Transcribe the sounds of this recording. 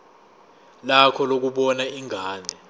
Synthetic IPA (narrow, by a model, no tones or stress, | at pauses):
lakʰɔlok̬uɓɔnaiŋʱaːnʱɛ